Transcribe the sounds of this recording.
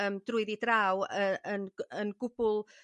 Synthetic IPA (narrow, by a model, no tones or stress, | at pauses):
əːmdrʊɨðidrawəənənɡʊb̥ʊlˠ